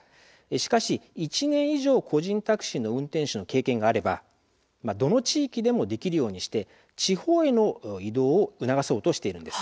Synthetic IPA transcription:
eɕi̥kaɕiit͡ɕinẽ̞ɰ̃iʑo̞ːkʰo̞ʑĩnt̪akɯ̟̥ɕinːo̞ɯ̟̃nt̪ẽ̞ɰ̃ɕino̞ke̞ːkẽ̞ŋɡaːɾe̞ba̰ | mad̪o̞no̞t͡ɕiːkʲid̪e̞mo̞d̪e̞kʲiɾɯ̟jo̞ːɲ̟iɕi̥t̪e̞ | t͡ɕiho̞ːe̞no̞id̪o̞ːɯ̟naɡaso̞ːt̪o̞ɕi̥t̪e̞iɾɯ̟nd̪e̞sɨ̥

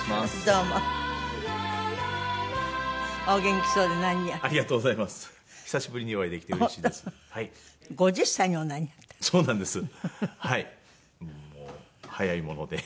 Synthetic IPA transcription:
asd̪oːmo | oːɡẽ̞ŋkʲi̥soːd̪enãɲ̟ijaaɾʲiɡat̪oːɡo̞zaimasɨ̥ | çi̥saɕibɯ̟ɾʲiɲ̟iβaid̪e̞kʲi̥t̪eoɾiɕiːd̪esɨ̥haiɡo̞d͡ʑɨɕsaɲ̟ionːaɲ̟iat̪ːso̞ːnãnd̪e̞sɨhai | moː | hajaimo̞no̞̰d̪e̞

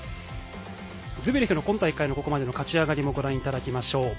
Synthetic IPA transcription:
zɨbiɾɯ̟çʲinokõ̞nt̪aikːaino̞ko̞ko̞mad̪e̞no̞kat͡ɕiaɡaɾʲimo̞ɡo̞ɾãɰ̃it̪ad̪akʲimaɕo̞ː

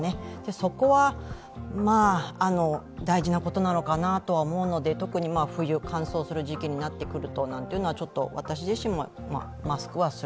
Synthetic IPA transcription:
ned̪̥e̞so̞ko̞βa | maːno̞ | d̪aiʑinako̞t̪o̞nano̞kanat̪o̞βaomo̞ɯ̟no̞d̪e̞t̪o̞kɯ̟ɲ̟imaːɸɯ̟jɯ̟kʰãɰ̃so̞ːsɨɾɯ̟ʑikʲiɲ̟inat̪ːe̞kɯ̟ɾɯ̟t̪o̞nãnt̪eiɯ̟noat͡ɕo̞t̪ːo̞̰βa̰t̪aɕ̬iʑiɕĩmmo̞ | ma̰ | masɨ̥kɯ̟βasɨ

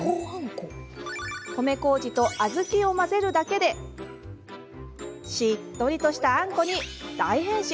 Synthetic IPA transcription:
ko | ko̞me̞ko̞ːd͡ʑit̪o̞ʔazɨkʲio̞maze̞ɾɯ̟d̪ake̞d̪e̞ | ɕit̪ːo̞ɾʲit̪o̞ɕi̥t̪aãŋko̞ɲ̟id̪aiɦẽ̞ɰ̃ɕi

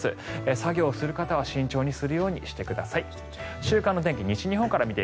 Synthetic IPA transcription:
sɨesaɡʲo̞ːsɨɾɯ̟kat̪aβ̞aɕĩɲ̟t͡ɕo̞ːɲ̟isɨɾɯ̟jo̞ːɲ̟ḭɕi̥t̪e̞kɯ̟d̪asai | ɕɨːkãnːo̞t̪̬eŋkʲiɲ̟it͡ɕiɲ̟iɦoŋkaɾamʲit̪e

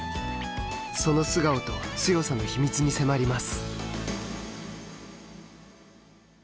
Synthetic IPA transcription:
so̞no̞sɨɡaot̪o̞ɕijo̞sano̞çimʲit͡sɨɲ̟ise̞maɾʲimasɨ̥

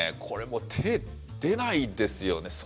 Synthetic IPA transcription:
kʰo̞ɾe̞mo̞t̪ʰe | d̪̥e̞naid̪e̞sɨjo̞ne̞s

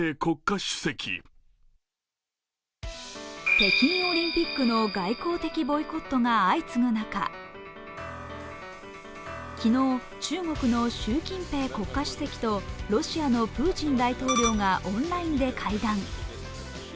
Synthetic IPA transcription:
eːko̞kːaɕɨ̥se̞kʲḭ | pe̞kʲĩɰo̞ɾʲĩmpʲikːɯ̟no̞ɡaiko̞ːt̪e̞kʲibo̞iko̞t̪ːo̞ŋaait͡sɨnonaka̰ | kʲino̞ː | t͡ɕɨːŋo̞kɯ̟no̞ɕɨːkʲĩmpe̞ːko̞kːaɕɨ̥se̞kʲi̥t̪o̞ɾo̞ɕiano̞pɯ̟ːt͡ɕĩnd̪ait̪o̞ːɾʲo̞ːŋaʔõnɾaĩnd̪e̞kʰaid̪ãŋ

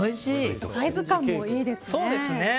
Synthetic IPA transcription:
oiɕiːsaizɨkãmːoiːd̪e̞sɨ̥so̞ːd̪e̞sɨne

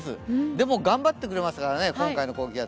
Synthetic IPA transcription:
sɨ̰d̪e̞mo̞ɡãmbat̪ːe̞kɯ̟ɾe̞masɨ̥kaɾane̞kõŋkaino̞ko̞ːɡʲija

